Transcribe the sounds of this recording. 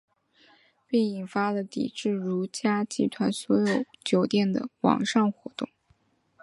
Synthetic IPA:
pe˥˩ɪi˨˩nfa˥lə˨t̪ḭ˨˩ʈ͡ʂɻ̩˥˩ɻu˧˥t͡ɕja˥t͡ɕḭ˧˥t̪ʰwa˧˥nswɔ˧˥jo˨˩˦ʊt͡ɕjo˧˥ʊt̪jɛ˥˩nd̪ə̰˩wɑ̰˨˩ŋʂɑ˥˩ŋxwɔ̰˧˥t̪ʊ˥˩ŋ

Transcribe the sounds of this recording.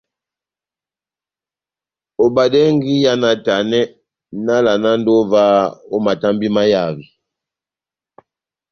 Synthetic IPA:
o˨ba˨dɛ˦ŋɡi˦ja˦na˨ta˨nɛ˦ | na˦la˨na˦n˦do˦va˦o˦ma˨ta˦mbi˦ma˦ja˦˨vi˨

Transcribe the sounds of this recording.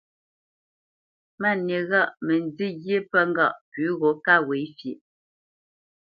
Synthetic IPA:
ma˦˨ne˨ɣa˦˨ʔmɛ˨n˦˨d͡zi˦ɣje˦pə˦ŋ˦ɡa˦˨ʔpʉː˨˦ɣɔ˨˦ka˦˨we˨˦fje˨ʔ

